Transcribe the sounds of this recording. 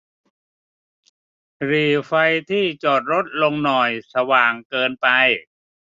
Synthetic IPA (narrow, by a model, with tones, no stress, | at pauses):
ɾiː˨˩fa˧jt̪ʰiː˥˩t͡ɕɔː˨˩t̪̚ɾo˦˥t̪̚lo˧ŋnɔ˨˩jsa˧waː˨˩ŋkɤː˧npa˧j